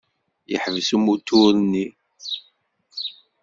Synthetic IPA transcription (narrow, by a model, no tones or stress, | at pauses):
jə̰ħvəsumut̪ːʊɾnːi